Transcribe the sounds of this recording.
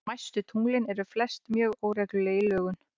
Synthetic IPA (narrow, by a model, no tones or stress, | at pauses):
ajst̪ʏt̪ʰuŋlɪnɛɾʏflɛst̪mjœːɣoːwɾɛklʏleːlœːɣʏn